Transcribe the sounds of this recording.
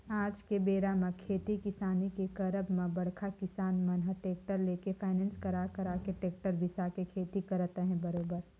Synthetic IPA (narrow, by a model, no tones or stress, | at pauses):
aːd͡ʒkebeːɾamãkʰeːt̪ikɪsaːnikekɐɾəbmẽbɐɽ̤kʰakɪsaːnmɐnɦəʈeːk̚ʈəɾleːkefʰaːɪnɛ̃ːnskɐɾaːkəɾaːkeʈeːk̚ʈəɾbʱɪsakekʰeːt̪ikɐɾt̪eɦɛ̃bəɾoːbəɾ